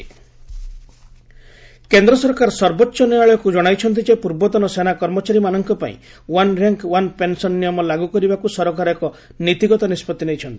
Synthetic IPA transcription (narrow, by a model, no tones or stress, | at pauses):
kend̪ɾɔsɔɾkaɾsɔɾbɔtːʃɔniaɭɔjɔkud͡ʒɔɽ̃ajt͡ʃʰɔnt̪id͡ʒepuɾbɔt̪ɔnɔsenakɔɾmɔt͡ʃaɾimanɔŋkɔpa̰ḭ̃ | wanɾaŋkwanpensɔnːijɔmɔlaɡukɔɾibakusɔɾɔkaɾɔekɔ | nit̪iɡɔt̪ɔnispɔt̪ːinejt͡ʃʰɔnt̪ii̥